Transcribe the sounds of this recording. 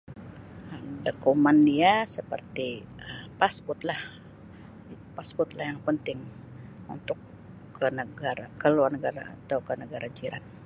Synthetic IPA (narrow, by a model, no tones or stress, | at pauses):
ədəkumandiasəpərt̪iəpaspʊt̪̚lah | paspʊt̪lahjaŋpənt̪ɪŋ | ṵnt̪ʊkː | ənəɡaakəluarnəɡaɾa̰a̰t̪awkənəɡaɾad͡ʒiɾʔa̰n̚